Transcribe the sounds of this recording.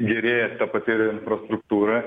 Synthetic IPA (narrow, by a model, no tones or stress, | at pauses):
ɡʲɛɾʲeːjɛt̪ɐpɐt̪ʲɪɾʲɪnfɾɐst̪ɾʊk̚t̪uːɾɐ